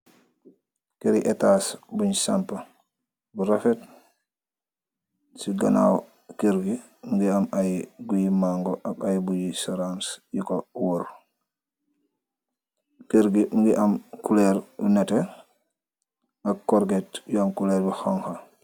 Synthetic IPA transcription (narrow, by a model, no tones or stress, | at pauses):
keɾiʔɛtasbuɲsampɐ | buɾafɛt̚ | siɡana̰w | keɾɡi | ŋɡiamajɡujimaŋɡɔʔakajbujisɔɾansjikowoɾ | keɾɡiŋɡiʔamkulɛɾṵnɛte | akːɔɾɡetjuamkulɛɾbuxɔŋxa